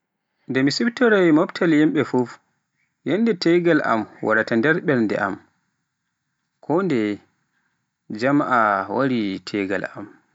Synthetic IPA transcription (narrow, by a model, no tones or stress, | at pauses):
ndɛmisibtɔɾajmɔptʰaljimɓɛfuf | jɛnːdɛtɛjɡala̰mwa̰ɾatandɛɾɓɛɾndɛ̰ʔa̰m | kʰɔndɛ | d͡ʒamʔawaɾitʰɛɡa̰lam